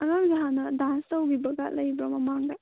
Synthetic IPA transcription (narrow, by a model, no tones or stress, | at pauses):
ɐɡamɡiɦanɐdanstɐwɡibɐɡɐ̰lɐjbɾɐmɐmaŋdɐ